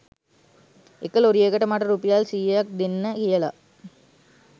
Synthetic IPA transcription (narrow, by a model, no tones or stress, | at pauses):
ɛkːɐloɾɯeːkɐʈːɐmaːʈːɐɾuːpːijaːlsiːɐk̚d̪ɪnːɐkɪjɐla̰ː